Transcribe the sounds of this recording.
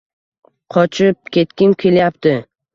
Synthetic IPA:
qʰɒt͡ʃʰɪp̚kʲʰe̞t̪kʲɪmkʲʰe̞ljap̚t̪ʰɪ

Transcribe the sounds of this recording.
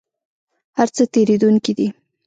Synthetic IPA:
haɾt͡sət̪eɾed̪uŋkid̪i

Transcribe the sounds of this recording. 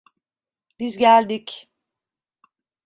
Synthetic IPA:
b̥izɟælʲd̪ic

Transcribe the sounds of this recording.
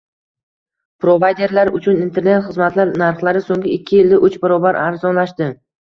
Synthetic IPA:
pɾo̞vajd̪e̞ɾlaɾʊt͡ʃʰʊnint̪ʰe̞ɾne̞t̪χɨzmat̪laɾnaɾχlˠaɾɪsoŋɡʲɪɪkʲʰːɪjɪlːɪʔʊt͡ʃbɪɾɒbaɾʔaɾzɒnlaʃd̪ɪ

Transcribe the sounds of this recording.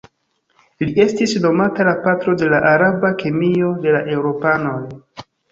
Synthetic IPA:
lie̞stisno̞matalapatɾo̞de̞laʔaɾabakemio̞de̞laʔe̞wɾo̞pano̞j

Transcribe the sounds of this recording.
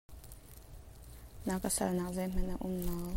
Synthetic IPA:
naːkəsɐ̰lnaːk̚zɐjm̥ɐnaʔʊmnɔː

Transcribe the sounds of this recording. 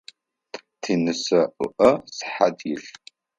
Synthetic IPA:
tʰinɨsɐʔʷʊ̰ʔɐsħadjɪɬ

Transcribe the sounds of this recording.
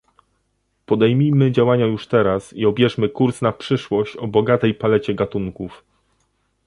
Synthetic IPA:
pɔd̪ɛjmʲijmɘd͡ʑawaɲajuʂt̪ɛɾasiɔbʲjɛʂmɘkuɾsnapʂɘʂwɔɕt͡ɕɔbɔɡat̪ɛjpalɛt͡ɕɛɡat̪uŋkuf

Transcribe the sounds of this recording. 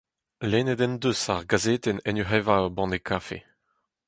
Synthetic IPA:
leːnɛd̪ɛnd̪øsaʁɡazeːt̪ɛnɛnyχɛvaobɑ̃nekʰaːfḛ

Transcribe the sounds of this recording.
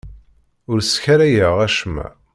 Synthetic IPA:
ʊɾsçaɾæjəʁæʃmæ̰

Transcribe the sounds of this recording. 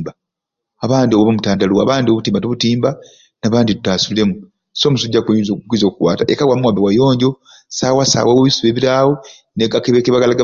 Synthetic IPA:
ba | aβaːndioβoβomutaːndaluwa̰βaːndioβutiːmbatuβutiːmba | naβaːnditutaːsule̞mu | so̞ːmusuɟakoɲizokkiːzo̞ːkukwa̰ːtaʔekawamuwaːmbewajo̞ːɲɟo̞ | sawasa̰ːwaweβisuβe̞ːβiɾaːwo | neɡakeβekeβaɡalaɡa

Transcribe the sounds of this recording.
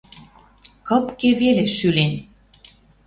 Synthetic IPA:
kɤ̆pkeβeleʃylen

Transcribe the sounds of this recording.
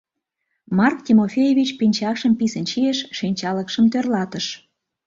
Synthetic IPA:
mɑrktʲimofʲejevʲit͡ɕpinʲt͡ɕɑkʃəmpisənʃieʃʃinʲt͡ɕɑləkʃəmt̪ørlɑt̪əʃ

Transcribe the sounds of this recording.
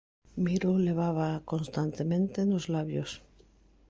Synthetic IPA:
miɾoleβ̞aβ̞akonst̪ant̪emẽnt̪enozlaβjos

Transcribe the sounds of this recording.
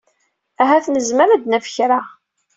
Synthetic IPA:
æɦæθnəzməɾæd̪næfə̥çɾa

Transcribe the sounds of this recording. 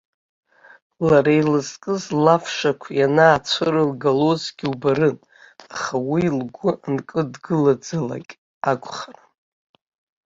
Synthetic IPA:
laɾajlɨzkʼɨzlafʂakʷʰjanaːt͡sʷʰɨrɨlɡalozɡʲiubaɾɨn | aχawilɡʷʊnkʼɨdɡɨlad͡zɨla̰kʲʼ | akʷʼχara

